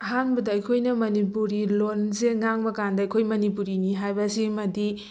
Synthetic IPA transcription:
ɐɦanbɐdɐɐjkʰojnɐmɐnipuɾilonzeŋaŋbɐkandɐɐjkʰojmɐnipuɾiniɦajbɐsimɐdi

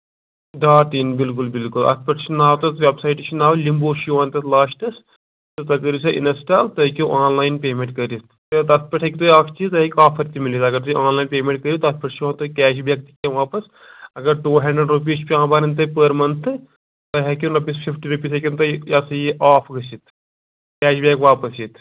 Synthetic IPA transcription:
ɖaːʈiːnbilk̬ulbɪlkulɐ̰t̪ʰpɐʈʰt͡ʃʰinaːwt̪ɐt̪ʋʲebsaːjʈt͡ʃʰinaːʋlimboːʃʋaːnt̪ɐt̪laːʃʈɐs | t̪ɨt̪ɐɡɐɾisɐʔḭnɐsʈaːlt̪ɐkʲuʔaːnlaːjnpeːmʲẽɳʈkɐɾist̪ɨt̪ɐt̪pɐʈʰɐkʲit̪ojaːkt͡ʃit̪ɐɦɐkʲaːpʰɐɾt̪imilisɐɡɐɾt̪uaːnlaːinpʲeːmẽɳʈ̚kɐɾit̪ɐt̪pɐʈʰt͡ʃãːnt̪okʲɛːʃ̬bʱjɐk̚t̪i̥kʲẽʋaːpɐs | ɐɡɐɾʈuːɦɐɳɖɾeɖɾup̬iːt͡ʃpʲiãːbaːɾɐnt̪ɐpəɾmɐnt̪ʰɨ | t̪ɐɦɐkʲunɐpʲispʰifʈiɾupʲiːsɐkʲint̪ɐjaːsɐjiʔaːfʰɡɐsit̪ʰ | kʲɛːʃbʲaːkʋaːpɐsjit̪

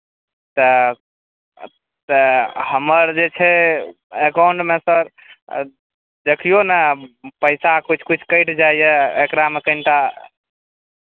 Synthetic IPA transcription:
t̪ə | t̪əhəməɾd͡ʒet͡ʃʰɛ | ekawɳʈmesəɾ | d̪ekʰijonɛpəɪsakut͡ʃʰkut͡ʃʰkəɪʈʰd͡ʒaijeekɾamekəɪnʈa

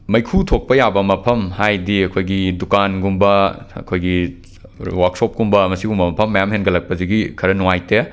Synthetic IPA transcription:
mɐjkʰutʰok̚pɐjabɐmɐpʰɐmhajdiɐkʰojɡidukanɡumbɐɐ̰kʰojɡi | waksop̚ɡumbɐmɐsiɡumbɐmɐpʰɐmːɐjamhenɡɐlɐk̚pɐziɡikʰɐɾɐnuwajte

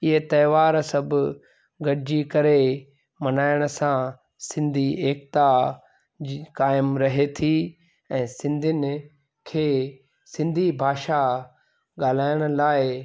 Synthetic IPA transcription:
ɪɦet̪ɐːʋaːɾsɐbʊ | ɡɐɽɪd͡ʑikɐɾe | mɐnaːɪɽ̃ə̆sã | sɪ̃nd̪ʱieːkt̪a | kaːɪmɾɐɦet̪ʰi | ɛ̃ːsɪ̃nd̪ʱɪnɪ̆ | kʰeː | sɪ̃nd̪ʱibʱaːʃa | ɠaːl̤aːɪɽ̃ə̆laːɪ

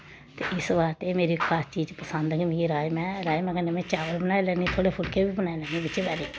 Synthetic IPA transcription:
t̪eːʔɪsʋaːɾt̪eːmeːɾiːkʰaːst͡ʃiːd͡ʒpəsənd̪kimĩːɾaːmɛ̃ːɾaːemɛ̃ːkənemɛ̃ːt͡ʃaːʋəlbənaːelɛːniːt̪ʰoːɽeːpʰʊlkeːbiːbənaːelɛːniːbɪt͡ʃebaːɾeː

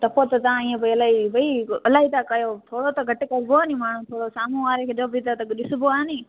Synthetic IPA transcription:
t̪ɐpot̪ɐt̪ɐãiːẽbəiɐlaːɦibɐiɐlaːɦiːt̪aːkɐjoːt̪ʰoːɽot̪ɐɡʱɐʈekɐɾboaːnĩmaːɳ̤ũːt̪ʰoːɽosaːmũːʋaːɾekʰeːd͡ʒobit̪at̪ɐɗɪsʊboaːnĩː

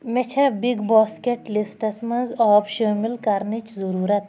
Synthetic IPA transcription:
met͡ʃʰɐbiɡbɔːskeʈlisʈɐsmɐnzɔːbʃəːmilkɐɾnit͡ʃzɐɾuːɾɐt̪

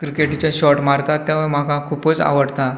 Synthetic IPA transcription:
kɾikeʈit͡ɕjaɕɔʈmaɾt̪at̪ːjaʋəɾm̤akakʰupət͡sa̰ʋəɽt̪a

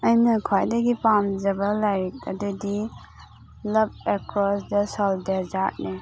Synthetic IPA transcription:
ɐjnɐkʰwajdɐɡipamd͡ʒɐbɐlajɾik̚ɐ̰dudi | lɐp̚ekɾɔsdɐsɔldeɾd͡ʒat̚ni

